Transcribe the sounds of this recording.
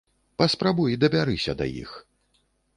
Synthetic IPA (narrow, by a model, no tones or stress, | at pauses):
pɐspɾabujd̪ɐvʲaɾɨsʲɐd̪ɐ̰jḭx